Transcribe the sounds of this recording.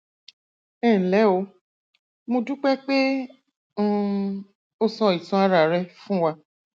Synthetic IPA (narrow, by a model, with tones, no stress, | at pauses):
ɛː˦˨lɛ˨˦o˨˦ | mũ˧du˦k͡pɛ˦k͡pẽ˦ | o˦sɔ̃˧i˨tɔ̃˧a˧ɾa˨ɾɛ˧fũ˦wa˧